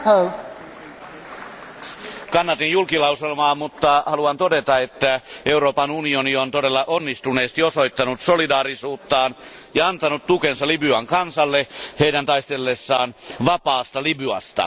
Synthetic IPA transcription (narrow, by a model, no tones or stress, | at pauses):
ho | kɑnːɑt̪injulkilɑuselmɑːmut̪ːɑhɑluɑnt̪odet̪ɑet̪ːæeuɾoːpɑnunioniont̪odelːɑʔonːist̪uneːst̪iosoit̪ːɑnut̪solidɑːrisuːt̪ːɑːnjɑɑnt̪ɑnut̪t̪ukensɑlibyɑŋkɑnsɑlːeheidænt̪ɑist̪elːesːɑːnʋɑpɑːst̪ɑlibyɑ̰st̪ɑ̰